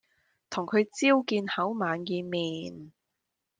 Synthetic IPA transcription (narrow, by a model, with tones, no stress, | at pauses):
t̪ʰʊ˨˩ŋkʰɵ˨˧ɥt͡siː˥wkiː˧nhɐ˨˥wmaː˨njiː˧miː˨˩n